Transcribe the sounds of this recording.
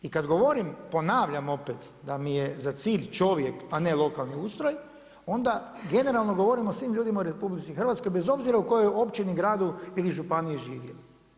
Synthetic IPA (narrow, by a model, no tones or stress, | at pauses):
ikad̪ɡo̞ʋo̞ɾimpo̞naːʋʎamo̞pet̪ | d̪amijezat̪siːʎt͡ʃo̞ʋje̞kane̞lˠo̞kalˠniuːst̪ɾoj | o̞nd̪aɡe̞ne̞ɾalˠno̞ɡo̞ʋo̞ɾimo̞sʋimʎuːd̪imaoɾepublit̪sixr̩ʋat̪sko̞jbe̞zo̞bziɾauko̞jojo̞pt͡ʃiniɡɾaːd̪uiliʒupanijeʒiːʋjḛli